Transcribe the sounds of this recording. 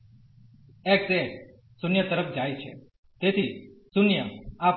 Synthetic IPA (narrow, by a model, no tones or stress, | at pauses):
ek̚se | sʊnjət̪əɾəpʰd͡ʒaːjt͡ʃʰḛ | t̪et̪ʰisʊnjəa